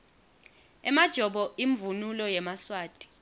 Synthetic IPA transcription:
ɛmad̥ʒ̥ʱɔɓɔiɱvunulɔjɛmaswaːd̥ʱʼi̥

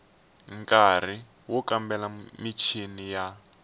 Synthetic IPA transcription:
ŋkar̤i | wɔkambɛlamit͡ʃʰinija

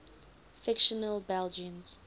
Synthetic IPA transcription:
fɪkʃənəlbɛld͡ʒə̃nz̥

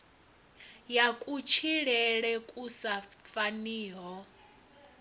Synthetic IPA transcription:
jakʼut͡ʃʰiɺɛɺɛkʼusafaniːɦɔ

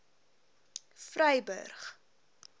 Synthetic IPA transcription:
frœjbə̰rχ

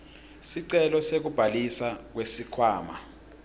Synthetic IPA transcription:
siǀɛlɔsek̬ub̥ʱalisak̬wesikʰwaːma

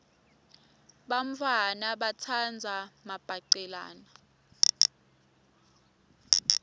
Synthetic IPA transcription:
ɓaɱ̩fʰanaɓat͡sʰand͡zʱamab̥ʱaǃɛla̰ːna

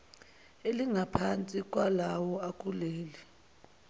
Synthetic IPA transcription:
eliŋʱapʰant͡sʼik̬ʼwalawɔak̬ʼuleːli

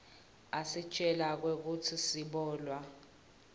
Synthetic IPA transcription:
asit͡ʃʼɛlak̬wek̬utʰisiɓɔːlwa

